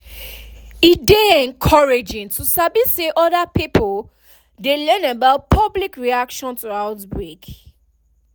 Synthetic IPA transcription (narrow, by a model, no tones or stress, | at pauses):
it̚deɛ̃nkʰɔɹed͡ʒɪ̃ntusabiseʔɔdapipʰol | delɛ̃nabaʊt̚pʰɔblikɹiakʃɔ̃ntuaʊtbɹek